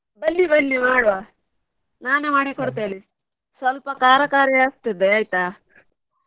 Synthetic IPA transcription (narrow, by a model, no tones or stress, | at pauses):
bɐlːibɐlːimaːɽʋaː | naːnemaːɽikoɽt̪eːli | sʋɐlpɐkaːɾɐkaːɾjɐaːst̪id̪ːeaːjt̪a